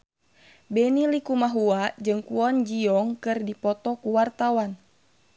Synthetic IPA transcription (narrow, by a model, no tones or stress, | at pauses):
bɛnilikumaɦuad͡ʒɨŋkuɔnd͡ʒiɔŋkɨrdipɔt̪ɔkuwart̪awan